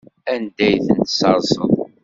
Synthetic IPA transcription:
ænd̪æjθənt̪sɑɾˤzˤə̰ðˤ

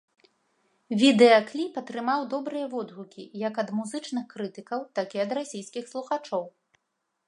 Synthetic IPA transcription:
vʲid̪ɛɐklʲipɐt̪ɾɨmawd̪ɔbɾɨjɐvɔd̪ɣukʲḭjɐkɐd̪muzɨt͡ʂnɨxkɾɨt̪ɨkɐwt̪akʲiɐd̪ɾasʲijskʲixslˠuxat͡ʂɔw

